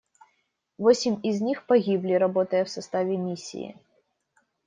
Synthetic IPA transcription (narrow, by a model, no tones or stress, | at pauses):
vosʲɪmʲizʲnʲixpɐɡʲiblʲiɾɐbɔt̪əjəfsɐst̪avʲɪmʲisʲːḭḭ